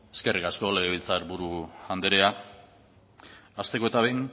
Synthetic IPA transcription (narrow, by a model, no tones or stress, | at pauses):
e̞ske̞rikasko̞le̞ɣeβilt͡saɾbuɾuand̪eɾe̞a | ast̪e̞ko̞e̞t̪aβeŋ